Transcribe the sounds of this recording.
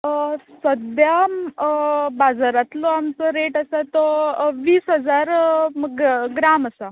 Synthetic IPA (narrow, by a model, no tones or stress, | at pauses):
səd̪ja | bad͡zaɾat̪lɔamt͡sɔɾeʈasat̪ɔʋiːsɦəd͡zaɾɡɡɾaməsa